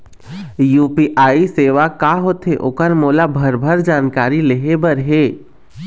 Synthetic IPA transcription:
juːpiʔaːiseːʋakaɦoːt̪ɦeʔo̰ːkəɾmoːlabʱəɾbʱəɾd͡ʒaːnkaːɾileɦebəɾɦeː

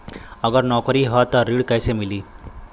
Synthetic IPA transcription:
əɡəɾnɔkɾiːɦət̪əɾiːɽkajsemiliː

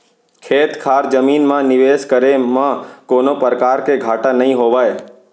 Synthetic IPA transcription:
kʰeːt̪kʰaːɾd͡ʒəmiːnmãnɪʋeːʃkəɾemãkoːnopəɾkaːɾkeɡʱaːʈãnəɦĩɦoːʋaːj

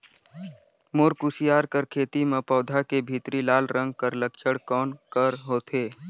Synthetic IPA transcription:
moːɾkusijaːɾkəɾkʰeːt̪imẽpɔːd̪ʱakebʱiːt̪ɾilaːlɾə̃ŋɡ̚kəɾləkʃəɽkɔːnkəɾɦoːt̪ʰeː

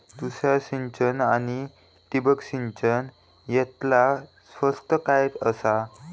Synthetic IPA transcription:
t̪usjaɕiɲt͡ɕənañi | t̪ibəkɕiɲt͡ɕən | jɛt̪la | sfəst̪əkajet̪əsa

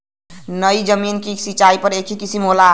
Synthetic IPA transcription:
nəjd͡ʒəminkisit͡ʃaipəɾekʰikisimɦola

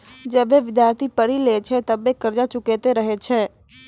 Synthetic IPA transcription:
d͡ʒəbeʋɪd̪jaːɾt̪ʰipəɽileːt͡ʃʰɛt̪əbekɐɾd͡ʒat͡ʃʊket̪eɾəɦet͡ʃʰɛː

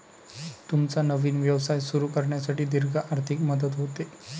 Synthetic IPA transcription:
t̪umt͡sanəʋiːnʋjəʋsajsuɾuːkəɾɳjasaʈiːd̪iɾɡʱaʔaɾt̪ʰikməd̪ət̪ɦot̪e

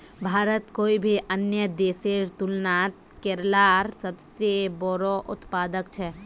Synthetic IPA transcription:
bʱaːɾət̪koːibʱiʔənjəd̪eseɾt̪ulnat̪ | keɾlaɾsəbsebɔɾɔʔʊ̰t̪pad̪əkt͡ʃʰɛ

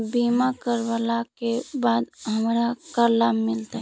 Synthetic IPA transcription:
bimakəɾbalakebad̪ɦəmɾakəɾlamːilt̪aɦ

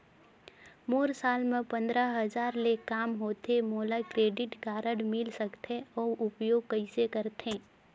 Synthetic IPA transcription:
moːɾsaːlmẽpə̃nd̪ɾəɦəzaːɾlekaːmɦoːt̪emoːlakɾeːɖɪʈkaːɾəɽmɪlsəkt̪eɔːʊpjoːɡ̚kɐisekəɾt̪ẽː

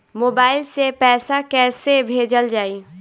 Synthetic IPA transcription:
moːbaːɪlsepɛːsakɛːsebʱeːd͡ʒəld͡ʒaːiː

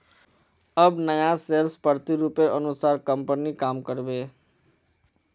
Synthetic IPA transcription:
əbnəjaselspəɾt̪iɾupeʔənusaːɾkəmpənikaːmkəɾbe

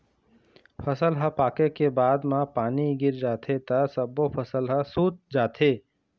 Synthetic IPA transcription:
pʰəsəlɦə̃paːkekebaːd̪mãpaːniɡɪɾd͡ʒaːt̪ʰet̪əsəbopʰəsəlɦəsuːt͡ʃ̚d͡ʒaːt̪ʰeː

